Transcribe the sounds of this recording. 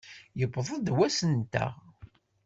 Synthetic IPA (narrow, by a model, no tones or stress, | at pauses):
jəbːðˤɑðwæsənt̪æ̰ʁ